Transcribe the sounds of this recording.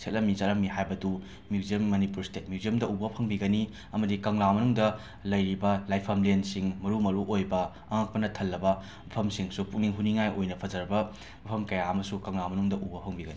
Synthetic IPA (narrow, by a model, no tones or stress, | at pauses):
sʰet̚lɐmizɐtlɐmihajbɐdu | mjuziemːɐnipuɾstet̚mjuziemdɐubɐpʰɐŋbiɡɐni | ɐmɐdikɐŋlamɐnuŋdɐ | lɐjɾibɐlajpʰɐmlensiŋmɐɾumɐɾuʔojbɐ | ɐŋak̚pɐnɐtʰɐlːɐbɐ | mɐpʰɐmsiŋsupuk̚niŋɦuniŋajojnɐpʰɐzɐɾɐbɐ | mɐpʰɐmkɐjaɐmɐsukɐŋlamɐnuŋdɐʔubɐpʰɐŋbiɡɐni